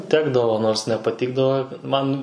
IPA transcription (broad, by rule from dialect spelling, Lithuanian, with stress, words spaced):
ˈtʲæːɡdɐʋoː noːrs nʲɛpɐˈtʲɪɡdɐʋoː ˈmɐn